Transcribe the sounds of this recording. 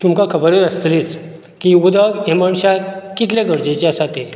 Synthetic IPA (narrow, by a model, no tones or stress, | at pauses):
t̪umkakʰəbəɾeɾəst̪lit͡s | kiud̪aɡemaɳsakit̪ʰlaɡʱəɾd͡ʑet͡ɕeasat̪e